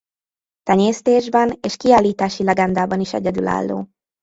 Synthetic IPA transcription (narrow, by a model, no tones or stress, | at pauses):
t̪ɛɲeːst̪eːʒbɛneːʃkiaːlːiːt̪aːʃilɛɡɛnd̪aːbɒniʃɛ̰ɟɛd̪yla̰ːlːo̰ː